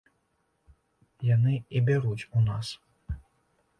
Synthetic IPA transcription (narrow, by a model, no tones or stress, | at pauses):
janɨibʲaɾut͡sʲunas